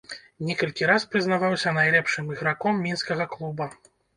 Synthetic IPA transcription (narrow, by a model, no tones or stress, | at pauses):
nʲɛkɐlʲkʲiɾaspɾɨznavawsʲɐnajlʲɛpʂɨmiɣɾakɔmːʲinskɐɣɐklˠubɐ